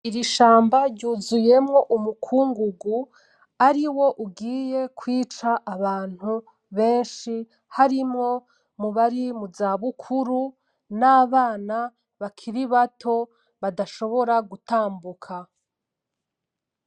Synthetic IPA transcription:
iɾiʃaːmbaɾɟuːzuje̞mŋo̞ʔumukʰuːŋɡuɡu | aɾiwo̞ʔubɡiːje̞kʰwiːt͡ʃaʔːβaːn̥hu | βe̞ːnʃi | haɾimŋo̞ | muβaɾimuzaːβukʰuɾu | naːβaːna | βakʰiɾiβatʰo̞ | βadaʃo̞βo̞ɾaɡutaːmbukʰa

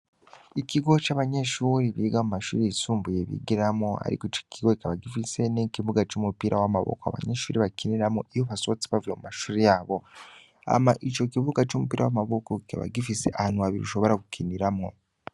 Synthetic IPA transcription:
ikiɡo̞t͡ʃaβaɲe̞ʃuːɾiβiɡamumaʃṵːɾiisuːmbuje̞βḭɡiɾamŋoa̰ɾḭkoit͡ʃo̥kʰiɡoikaβaɡifise̞nikiβuɡat͡ʃumupiːɾʔawamaβo̰koa̰βa̰ɲe̞ʃuːɾiβakiniɾamo̰ijoβaso̞t͡siβavujemumaʃuːɾijaːβo̞ | a̰maʔit͡ʃo̞kiβuɡat͡ʃumupiːɾa̰wa̰maβokoka̰βa̰ɡifisḛʔahaːn̥uaβiɾiuʃo̞βo̞ɾaɡukʰiniɾamo̞̰

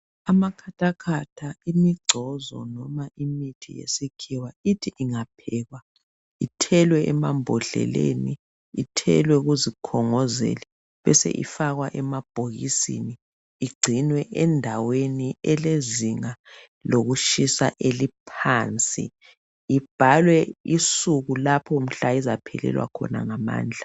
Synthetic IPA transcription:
amakʰatʰʼakʰatʰaimiɡ͡ǀʱɔzɔ̰nɔmaʔimitʰḭjḛsikʰiwaitʰiʔiŋapʰɛːɣwa | itʰɛlwɛʔɛmambʱɔɬɛ̰lḛni | itʰɛ̰lwɛɣuzikʰɔŋɔzḛlɛ | βɛsɛ̰ʔḭfaɣwaʔɛmab̥ʱoɣisḭni | iɡ͡ǀʱinwɛʔɛndʱaweniɛleziŋa | loɣuʃisa̰ʔelipʰant͡sʼḭ | ib̥ʱalwɛisuɣulapʰɔm̩ɬaizapʰɛ̰lɛ̰lwa̰kʰɔ̰na̰ŋama̰ːnd͡ɮʱa

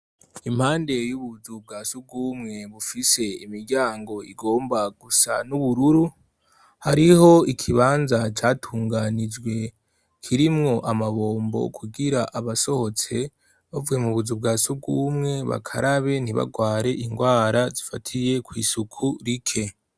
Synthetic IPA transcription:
imhaːnde̞juβuzub̚ɡaːsub̚ɡuːmŋe̞βufise̞imiɾɟaːŋɡo̞iɡo̞ːmbaɡ̥usa̰nuβuɾuɾu | haɾiho̞ikʰiβaːnzat͡ʃaːtʰuːŋɡanid͡ʒɡwe̞ | kʰiɾimŋo̞ʔamaβo̞ːmbo̞̰kʰuɡiɾaʔaβaso̞ho̞t͡se̞ | βavuwe̞muβuzub̚ɡaːsub̚ɡuːmŋe̞βa̰kʰa̰ɾaβe̞n̥iβa̰ɡwaːɾe̞ʔiŋɡwaːɾazifatʰije̞kwiːsukʰuɾikʰe̞

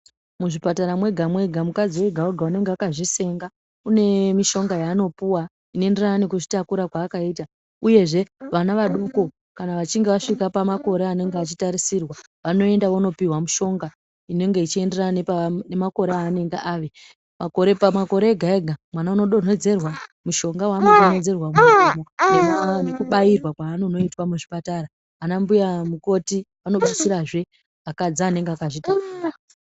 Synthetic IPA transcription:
muʐipataɾamwe̞ɡʱamwe̞ɡʱamukad͡ziweɡʱaweɡʱaune̞ŋɡeakaʐise̞ŋɡa | une̞miʃo̞ŋɡajaːno̞puwa | inoe̞nde̞rananikuʐitakuɾakwaːkaiːta | uje̞ʐe̞ʋanaʋaɗoko̞ | kanaʋat͡ʃiŋɡe̞ʋaʂikapamako̞ɾeane̞ŋɡeat͡ʃitaɾisirwa | ʋano̞e̞ndaʋono̞piɦwamuʃo̞ŋɡa | ine̞ŋɡe̞it͡ʃie̞nderananepanemako̞ɾeaːne̞ŋɡeʔaʋe | makoɾepamako̞ɾe̞ːɡʱaeɡʱamwanauno̞ɗon̤e̞d͡ze̞rwamuʃo̞ŋɡawanoɗon̤e̞d͡ze̞rwamuaamonemaanekuɓairwakwaːnono̞itwamuʐipataɾa | anambujamuko̞ti | ano̞ɓat͡siɾaʐe̞ | akad͡zaːne̞ŋɡeakaʐitariːra

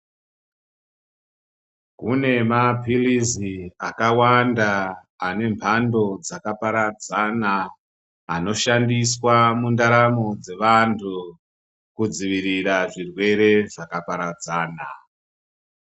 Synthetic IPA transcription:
kune̞mapʰiliziakawandaː | ne̞mpʰando̞d͡zakapaɾad͡zanaː | no̞ʃandiswamundaɾamo̞d͡ze̞ʋantʰu | kud͡ziʋiɾiraʐirwe̞ɾe̞ʐakapaɾad͡zaːna̰

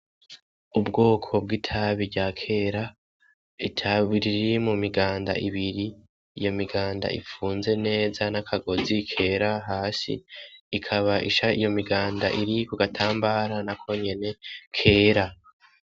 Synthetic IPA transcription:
ubɡo̞ːkʰo̞b̚ɡitʰaβiɾɟakʰe̞ɾa | itʰaβiɾiɾiimumiɡaːnda̰ʔiβiɾiː | jo̞miɡaːnda̰ʔḭfuːnze̞ne̞ːzanakʰaɡo̞zikʰe̞ːɾaɦaːsḭːkʰaβaʔiʃaijo̞miɡaːnda̰ʔiɾikuɡatʰaːmbaːɾanakʰo̞ɲe̞ne̞kʰe̞ːɾa

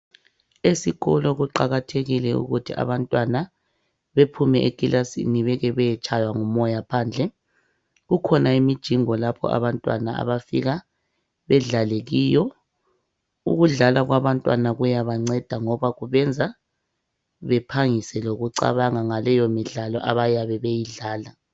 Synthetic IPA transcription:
esiɣɔlɔɣuǃaɣatʰeɣilɛṵɣutʰia̰βantʼwana | βepʰumɛʔekʼilʔasḭniβɛɣɛβɛjɛt͡ʃʼʰajwaŋumɔjapʰaːnd͡ɮʱɛ | ɣukʰɔnaimid̥ʒ̥ʱiŋɔlapʰɔ̰a̰βantʼwa̰naa̰βafḭɣa | βɛɮaleɣiːjɔ | ṵɣuɮalaɣwaβantʼwanaɣujaβaŋ͡ǀɛd̥ʱaŋɔβaɣuβɛnd͡zʱa | βɛpʰaŋisɛloɣuǀa̰βaŋaŋalɛjomiɮalɔʔaβajaβɛβejiɮaːla

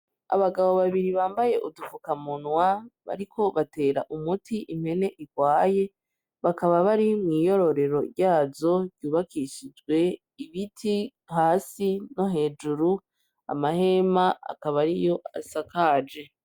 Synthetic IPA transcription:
a̰βaɡaβo̞βaβiɾiβaːmbajeʔudufukamunwaβa̰ɾikʰo̞βate̞ːɾa̰ʔumutʰiʔim̥he̞ne̞ʔiɡwaːje̞ | βakaβaβaɾimŋiːjo̞ɾo̞ɾe̞ɾo̞ɾjaːzo̞ɾjuːβakʰiʃid͡ʒɡwe̞ | iβitʰi | haːsino̞ɦe̞ːd͡ʒuɾu | a̰mahe̞maa̰kaβaɾijo̞ʔa̰sakaːd͡ʒe̞

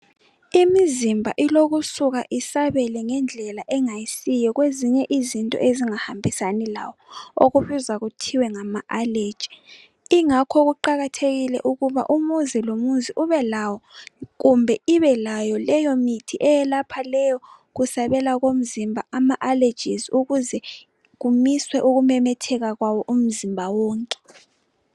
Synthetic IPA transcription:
imizimbʱa̰ʔiloɣusuɣa̰ʔisaβɛlɛŋɛnd͡ɮʱɛlaʔɛŋajisijɛɣweziɲɛʔizintʼɔ̰ʔeziŋahambʱisanila̰wɔo̰ɣuβizaɣutʰiwɛŋamaʔale̥ʒ̥ʱi | iŋakʰɔɣuǃaɣatʰeɣilɛ̰ʔuɣuβa̰ʔumuzilomuziʔuβɛlawɔɣumbʱɛiβɛlajɔlɛjɔmitʰiʔɛjɛlapʰalɛjɔ | ɣusaβɛlaɣom̩zimbʱaamaʔale̥d͡ʒʱiziuɣuzɛ | ɣumiswɛʔuɣumɛmɛtʰɛɣaɣwawɔʔum̩zimbʱawɔːŋkʼɛ̥

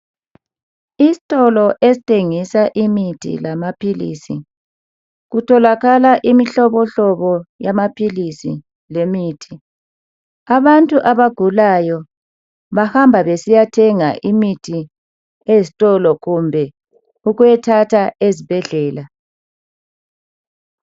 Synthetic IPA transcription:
isi̥tʼɔlɔʔezitʰʼeŋisaʔimitʰḭlamapʰilḭːsi | ɣutʰɔlaɣalaʔimiɬɔβɔɬɔβɔjamapʰilisḭ | lemiːtʰi | aβantʼuʔaβaɡ̥ʱulajɔ | βahambʱaβesijatʰɛŋaʔimitʰi | ezitʼɔlɔɣumbʱɛ | uɣujɛtʰatʰaʔezib̥ʱɛɮɛːla

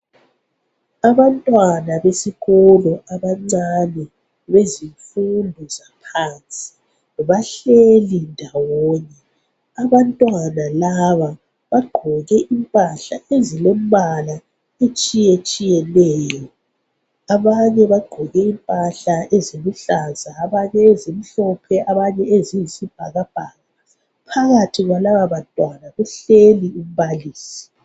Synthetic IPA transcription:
aβantʼwanaβesiɣɔlɔʔaβaŋ͡ǀanɛ | βeziɱfundʱɔzapʰaːnt͡sʼi̥ | βaɬelindʱawɔːɲɛ | aβantʼwanalaβa | βaɡ͡ǃʱɔɣɛʔimpʼaɬaezilemβala | et͡ʃʼijet͡ʃʼijɛlɛːjɔ | aβaɲɛβaɡ͡ǃʱɔɣɛimpʼaɬaʔeziluɬazaːβaɲɛezim̩ɬɔpʰɛaβaɲɛezijisib̥ʱaɣab̥ʱaɣa | pʰaɣatʰiɣwalaβaβantʼwanaɣuɬelium̩βaliːsi̥

